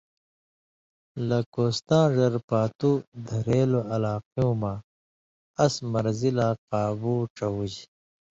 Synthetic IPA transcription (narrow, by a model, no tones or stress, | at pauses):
lɐkoːst̪ãːʐɐɾpaːt̪ud̪ʱɐɾeːloɐlaːqijũːmã | ɐsmɐɾzilaːqaːbuːʈ͡ʂɐwud͡ʑ